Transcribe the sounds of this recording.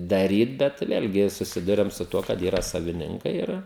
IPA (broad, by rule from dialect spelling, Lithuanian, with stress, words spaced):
dɐˈrʲiːt bʲɛt ˈʋʲeːlʲɡʲɪ sʊˈsʲɪdʊrʲɛm sʊ ˈtuɔ kɐt ˈiːrɐ sɐʋʲɪˈnʲɪŋkɐɪ ˈɪr